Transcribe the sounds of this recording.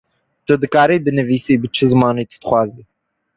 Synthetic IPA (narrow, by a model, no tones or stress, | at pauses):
t̪ɨd̪ɨkɑːɾiːbɨnɨviːsiːbɨt͡ʃʰɨzɨmɑːniːt̪ʰə̥d̪̥ɨ̥xʷwɑːziː